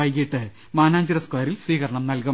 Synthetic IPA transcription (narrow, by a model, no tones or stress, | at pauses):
ɐjikʲːiʈːɨ | maːnaːɲd͡ʑɐɾɐskwaːɐɾilsʋiːkɐɾɐɳɐmnɐlkɐ